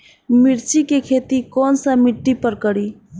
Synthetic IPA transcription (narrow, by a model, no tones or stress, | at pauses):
mɪɾt͡ʃikekʰeːt̪ikɔːnsamɪʈːipəɾkəɽiː